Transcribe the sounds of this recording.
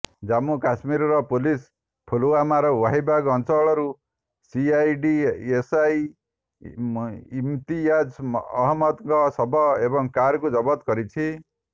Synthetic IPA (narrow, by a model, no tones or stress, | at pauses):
d͡zamukasmiɾɾʌpulis | pʰuluwamaɾwaɦibaɡɔnt͡sɔɭɔɾu | siajɖiesaj | imt̪iad͡ʒʌɦmʌt̪ŋɡʌsʌbʱʌebʌŋkaɾkud͡zʌbʌt̪ɡʌɾit͡ʃʰi